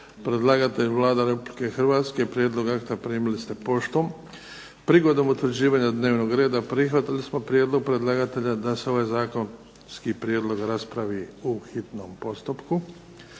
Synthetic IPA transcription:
pɾe̞d̪lˠaɡat̪eʎuʋlˠaːd̪aɾe̞publike̞xr̩ʋaːt̪ske̞pɾjed̪lo̞ɡakt̪apɾiːmilist̪e̞po̞ʃt̪om | pɾiɡo̞d̪o̞mut̪ʋɾd͡ʑiːʋaːɲad̪ne̞ːʋno̞ɡɾe̞ːd̪apɾixʋat̪ilismo̞pɾjed̪lˠo̞ɡ̚pɾe̞d̪lˠaɡat̪e̞ʎad̪ase̞o̞ʋajzaːkon | skipɾjeːd̪lˠo̞ɡɾaspɾaʋiːuxit̪no̞mpo̞st̪upku

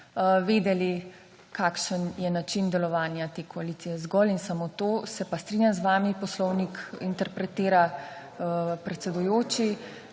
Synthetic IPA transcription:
ʋeːd̪ɛli | kaːkʃənjɛnat͡ʃind̪ɛlɔʋaːnjat̪eːkɔalit̪sijɛzɡɔlinsamot̪oːsɛpast̪ɾiːnʲjamzʋaːmipɔslɔwnikint̪ɛɾpɾɛt̪eːɾa | pɾɛt̪sɛd̪ujoːt͡ʃi

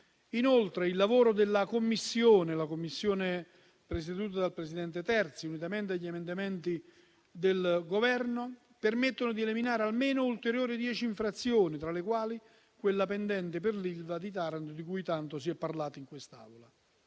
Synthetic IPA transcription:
inolt̪ɾeilːavoːɾod̪elːakomːisːjoːnelakomːisːjoːne | pɾes̬ed̪uːt̪̬ad̪alpɾesid̪ɛnt̪et̪ɛrt̪siunit̪ament̪eaʎːiemend̪amɛnt̪i | d̪elɡovɛrno | permet̪ːonod̪ieliminaːɾealmeːnoult̪eɾjoːɾid̪jɛːt͡ʃiiɱfɾat̪sːjoːnit̪ɾalekwaːli | kwelːapend̪ɛnt̪epɪrlilvad̪it̪aːɾant̪d̪ikujt̪ant̪osiɛpːarlaːt̪iŋkwest̪a̰ːvola

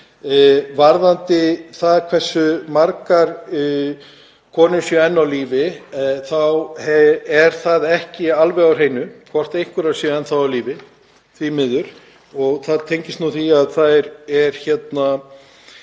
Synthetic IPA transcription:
vaɾðant̪ɪθaðkʰvɛr̥sːʏmaɾkaɾ | kʰɔːnʏsjœɛnːawliːvɪθawhɛɛɾ̥θaðɛhcɪalvɛɣawr̥eːjnʏkʰvɔr̥t̪ejhkʏɾḁsjœɛnθawawliːvɪ | θvimɪðːʏɾ̥ | ɔɣθaðt̪ʰejɲcɪstnuθiaðθaðɛɾɛɾ̥çɛt̪na

